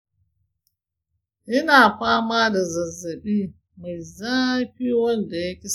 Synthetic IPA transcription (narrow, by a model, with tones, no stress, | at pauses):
ʔɪ˦naː˨ɸaː˦ma˦da˨zɐ˨zɐ˨ɓiː˦ | ma˨jzaː˦ɸi˦wɐ˦lda˨ja˦kʲi˦s